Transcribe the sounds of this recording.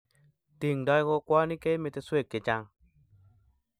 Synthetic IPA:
ti˨ŋdɔ˧˦jko˦˧kwa˦ni˦ke˦me˨˧t̪e˧swe˦˨kːe˨t͡ʃa˦ŋ

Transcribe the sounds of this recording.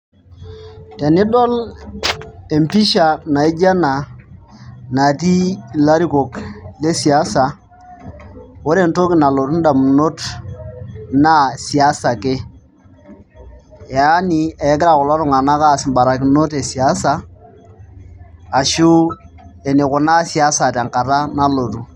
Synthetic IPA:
te˨ni˦dɔ˦l | e˨mpi˦ʃa˨na˨i˦d͡ʒa˦na˨ | na˨t̬i˦˨la˦ɾi˦ko˨kle˦si˨a˦sa˨ | wo˦ɾe˦˨nto˦ki˨na˨lo˨tu˦n˦da˨mu˨no˦t | na˦si˨a˦sa˨ke˦˨ | a˦ni˨e˨˦kɪ˦ɾa˨kʊ˨la˦ɾu˦˨ŋa˨na˦ka˦˨si˨mba˨ɾa˨ki˨no˦te˨si˨a˦sa˦˨ | ʃu˦ | e˨ni˨kʊ˨na˦si˨a˦sa˨ta˨ŋka˨ta˦na˦lo˨tu˨˦

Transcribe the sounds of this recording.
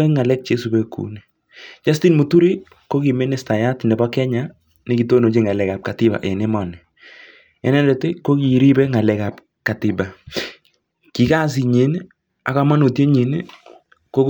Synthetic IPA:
ɛ˦ŋa˨lɛ˦k̚t͡ʃe˦su˨bɛ˦kṵ˨ni˨ | d͡ʒa˦sti˦nmu˨tu˦ɾi˦ | ko˦ki˨me˦nɪ˨sta˨ja˦tnɛ˨bɔ˦kɛ˦ɲa˦ | nɪ˦ɡi˨to˦no˨t͡ʃi˦ŋa˨lɛ˨ka˨p̚ka˨tɪ˦ba̰˨ʔɛ˨nɪ˦mɔ˨nɛ˨ | ɛ̰˦nɛ˦ndɛ˨te˦ko˦ki˨ɾi˦bɛ˦ŋa˨lɛ˨ka˨p | ka˨tɪ˨ba˨ | ki˨ka˦s̬i˨ɲe˨˦n˦ | a̰˨ka˦ma˦no˨tje˦ɲe˨n˦ | ko˦

